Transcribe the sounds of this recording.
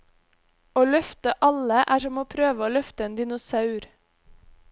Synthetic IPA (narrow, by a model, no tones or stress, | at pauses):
oːlœft̪əʔɑləʔæːʃɔmoːpʰɾøːʋəoːlœft̪əeːnd̪ɪnʊsɑʉɾ